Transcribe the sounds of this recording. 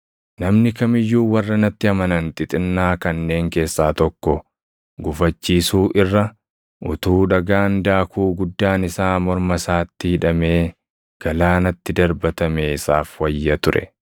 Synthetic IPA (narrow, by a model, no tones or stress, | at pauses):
nɐmnɪkɐmɪjːuːwɐrːɐnɐt̪ːɪɐmɐnɐnt̪ʼɪt̪ʼɪnːaːkɐnːe̞ːŋke̞ːsːaːt̪ɔkːɔ | ɡʊfɐt͡ʃːiːsuːʔɪrːɐ | ʔʊt̪uːᶑɐɡaːnd̪aːkuːɡʊd̪ːaːnɪsaːmɔɾmɐsaːt̪ːɪɪᶑɐme̞ː | ɡ̥ɐlaːnɐt̪ːɪd̪ɐɾbɐt̪ɐmeːɪsaːfwɐjːɐt̪ʊɾʔɛ̰